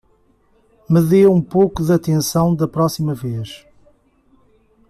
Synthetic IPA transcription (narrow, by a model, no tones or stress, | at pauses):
mɨðewũpokuðɐt̪ẽsɐ̃w̃d̪ɐpɾɔsimɐveʃ